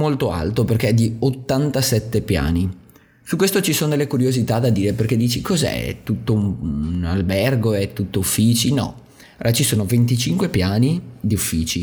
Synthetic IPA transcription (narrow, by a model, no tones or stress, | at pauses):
molt̪oa̰lt̪operk̟eɛd̪ːiot̪ːant̪asɛt̪ːepja̰ːni | sukwest̪ot͡ʃisoːnod̪elːekuɾjozit̪ad̪ad̪iːɾeperk̟ed̪ːiːt͡ʃikozɛ̰t̪ːut̪ːouna̰lbɛrɡoɛt̪ːut̪ːoufːiːt͡ʃinɔ̰ | at͡ʃisoːnovent̪it͡ʃiŋkwepjaːnid̪iufːiːt͡ʃi